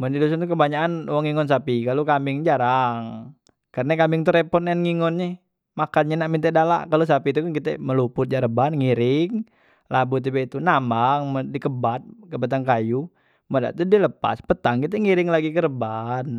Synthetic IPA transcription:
məndidos̬ɔnt̪ukəbaɲaanwaŋiŋɔns̬apikalukambɪŋd͡ʒaɾaŋ | karnakambɪŋt̪uɾɛpɔnɛnŋiŋɔnɲɛ | makanɲɛnaʔmint̪ɛdala̰ʔkalus̬apit̪ukankit̪ɛməlupʊt̪̚d͡ʒaɾəbanŋiɾɪŋ | labut̪̬ibɛit̪unamaŋmədikəbat̪̚kəbat̪̬aŋkaju | məda̰t̪udiləpa̰spət̪aŋkit̪̬ɛŋiɾɪŋlaɡikəɾəban

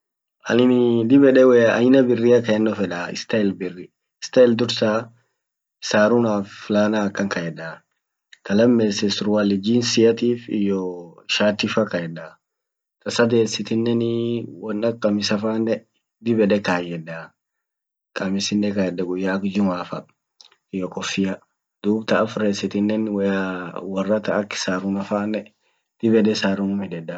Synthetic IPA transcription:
ʔɐ̰nɪnɪd̪ɪbɛᶑɛwɛɐ̰jnɐbɪrːɪjɐkɐɛnːɔfɛᶑaɪ̰st̪ɐɛlbɪrːɪ | ɪst̪ɐɛld̪ʊɾsaː | saːɾʊnaːflaːnakːɐŋkɐjɛᶑa | kɐlɐmːeːsɛsɾʊwaːlɪd͡ʒiːnsɪjɐt̪iːfɪ̰jːɔʃaːt̪ːɪfɐkɐjɛᶑɐ | t̪ʼɐsɐd̪eːsːɪt̪ɪnːɛnwɐnːɐkʼːɐmɪsɐfaːnːɛ | d̪ɪbɛᶑɛkaːjɛda | kʼɐmɪsɪnːɛkɐjɛᶑɐɡʊjːaːkd͡ʒʊmaːfɐ | ɪjːɔkʼɔfːɪjɐ | d̪̥uːbt̪ɐːfɾeːsɪt̪ɪnːɛnwɛjawɐrːɐt̪ɐːkːɪ̥saːɾʊnɐfaːnːɛ | d̪̥ɪbɛᶑɛsaːɾʊnʊmɪdɛᶑɐ

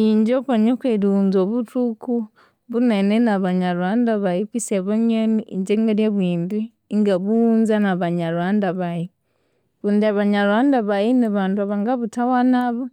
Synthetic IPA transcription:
iɲd͡ʒopaɲokweɾuunzoβutuku | βunenenaβaɲaɾuandaβajiβiseβoɲeniiɲd͡ʒeŋɡeɾjeβwiːndi | ŋɡaβunzanaβaɲaɾwandaβaji | βundiaβaɲaɾuandaβajiniβaːnduaβaŋɡaβutawanaβa

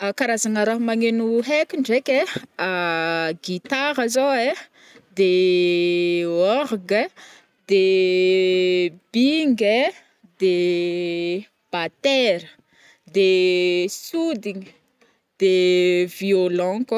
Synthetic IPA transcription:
akaɾazaŋaɾaɦumaŋenuɦekiɳɖ͡ʐekʲeaɡit̪aɾazoe | d̪e | ɔɾɡə | d̪̥e | b̥iŋɡe | d̪e | b̥at̪ɛɾə | d̪e | sud̪iɲi | d̪̥eviolɑ̃k

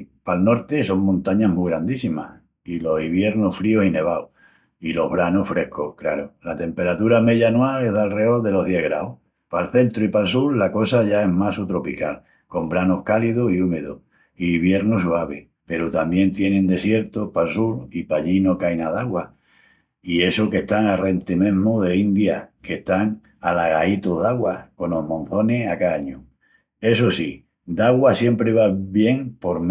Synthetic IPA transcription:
palno̞ɾt̪e̞so̞ŋmõnt̪aɲaɦmuɣɾand̪isima̰h | ilo̞siβje̞ɾnoffɾio̞sine̞β̞ao | ilo̞ɦβɾanohfɾe̞hkohkɾa̰ɾolat̪e̞mpe̞ɾat̪uɾame̞ʎanwalehðalre̞o̞lðe̞lo̞ɦðjeɦɣɾaoh | palθe̞nt̪ɾoipalsuɾlako̞saʝae̞ɦmasut̪ɾo̞pikal | ko̞mbɾanohkaliðosiume̞ðo̰ | iβje̞ɾnos̬uaβe | pe̞ɾot̪amje̞nt̪je̞nẽnd̪e̞sje̞ɾt̪ohpalsuɾipaʎino̞kajnaðaɣwa | ie̞soke̞ht̪aŋare̞nt̪emẽ̞ɦmoðe̞ind̪jake̞ht̪aŋ | alaɣait̪oðaɣwako̞no̞ɦmõ̞n̟θo̞ne̞akaaɲu | e̞sosi | d̪aɣwasje̞mpɾe̞β̞aβje̞ŋpo̞ɾm

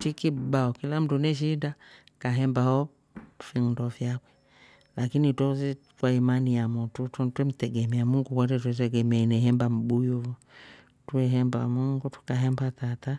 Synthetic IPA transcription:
tikibaɔkilam̩tunɛʃ̬ida | kaɦɛmbahɔ | fiŋ̩ndɔfjakwɛ | lakinitwɔsɛ | kwaimanijamɔtuttwɛm̩tɛɡɛmɛamuŋɡukwatɛtwɛt̬ɛɡɛmɛainɛɦɛmbam̩bujɔvɔ | twɛɦɛmba̰muŋɡutu̥kaɦɛmbatata

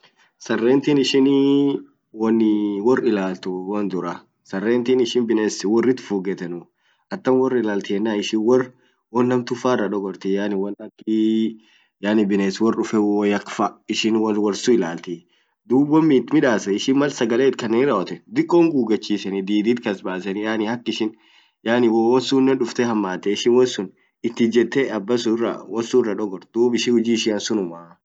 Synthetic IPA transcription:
sɐrːeːnt̪iːnɪʃɪn | wɐnːwɔrɪlaːlt̪ʊwɐnd̪ʊɾɐ | sɐrːeːnt̪iːnɪʃɪnbɪneːswɔrːɪt̪fuːɡɛt̪ɐnʊ | ɐt̪ːɐnwɔrːɪlaːlt̪ɪɛnːaːɪʃɪnwɔr | wɔnːɐmt̪ʊfaːrːɐᶑ̪ɔɡɔɾt̪ɪjaːnɪwɐnɐkːɪ | jaːnɪbɪneswɔrʊfɛwɔjɐkfɐɪʃɪnwɐwɐɾsʊɪlaːlt̪ɪ | d̪uːbwɐmːiːt̪mɪᶑaːsɐɪʃɪnmɐlsɐɡɐleːt̪kɐnːeːnɪraɔt̪ɛd̪ɪkʼːoːŋɡuːɡɐt͡ʃːiːsɐnɪd̪iːd̪iːt̪kɐsbaːsɐnɪjaːnɪhɐkːɪʃɪn | jaːnɪwwɔsuːnːɛnᶑʊft̪ɛhɐmːaːt̪ɛɪʃɪnwɔnsʊn | ɪt̪ːɪd͡ʒɛt̪ːeɐbːɐs̬ʊrːɐ̰wɔsurːɐᶑɔɡɔɾt̪d̪uːbɪʃɪhʊd͡ʒiːɪʃɪɐnsʊnʊmaː

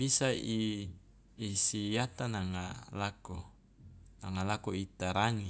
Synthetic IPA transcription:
bisaiː | sijat̪anaŋalako | naŋalakoit̪aɾaŋi

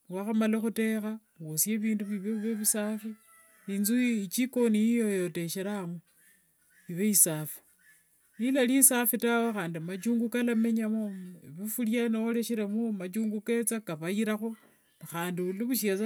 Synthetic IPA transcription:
waxamalexute̞xa | osje̞βiːnduβiβeuβeβusafi | inzut͡ʃiko̞nijijojote̞ʃeɾamo | iβeisafi̥ | nilalisafitawexaːndimat͡ʃuːŋɡukalame̞ɲamoβifuljanoole̞ʃiɾemumat͡ʃuːŋɡuket͡sakaβajiɾaxo̞ | naxaːndiuliβuʃ̬ea

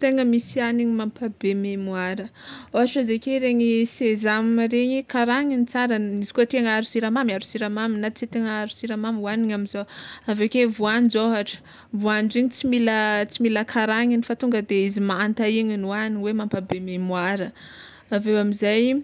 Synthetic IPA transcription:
t̪eŋəmisianiɲimampabememuaɾəoɦaʈ͡ʂəzekeɾeŋisezamɾeɲikaɾaɲinit͡saɾəizikot̪eŋaɾusiɾamamiaɾusiɾamaminat͡set̪eŋəaɾusiɾamamwaniɲamizoavekevuand͡ʒoɦaʈ͡ʂə̥ | vuand͡ʒiɲit͡similət͡similəkʰaɾaŋinifat̪uŋɡəd̪eizimaant̪aiɲinuaniwemampabememuaɾə | avewamizaj

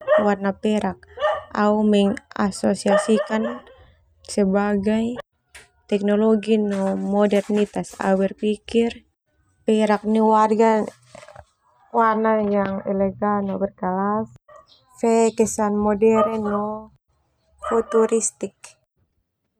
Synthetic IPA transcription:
warnapɛɾʔak̚aumɛŋasosiasikan | sɛbaɡaj | t̪ɛk̚noloɡinɔmɔdɛrnit̪asa̰wɛrpikir | pɛɾak̚niwarɡa | warnajaŋɛlɛɡalnɔbərkalas | fɛkɛsanmɔdɛɾɛnɔ | fut̪uɾist̪ik̚

